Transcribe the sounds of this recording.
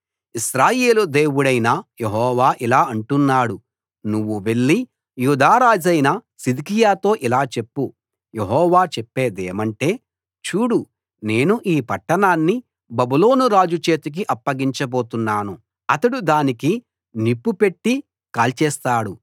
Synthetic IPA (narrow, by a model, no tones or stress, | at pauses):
iʃɾaːjeːlud̪eːwuɽɐjnɐjeɦɔːʋaːʔilaːɐɳʈunːaːɽu | nuʋːuʋe̞ɭːi | juːd̪aːɾaːd͡ʒɐjnɐsid̪ikijaːt̪o̞ːʔilaːt͡ʃe̞pːu | jeɦɔːʋaːt͡ʃepːeːd̪ḛːmɐɳʈe̞ː | t͡ʃuːɽu | ne̞ːnuʔiːpɐʈːɐnaːnːi | bɐbulo̞ːnuɾaːd͡ʒut͡ʃe̞ːt̪uk̬iʔɐpːɐɡiɲt͡ʃɐbo̞ːt̪unːaːnu | ɐt̪ɐɽud̪aːniki | nipːupe̞ʈːi | kaːlt͡ʃɛːst̪aːɽu